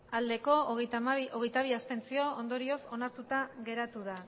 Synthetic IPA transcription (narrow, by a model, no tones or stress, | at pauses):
ald̪e̞ko̞ | oɣ̞e̞jt̪aβ̞iast̪e̞nt͡sio̞ond̪o̞ɾio̞so̞naɾt̪ut̪aɣe̞ɾat̪uð̞a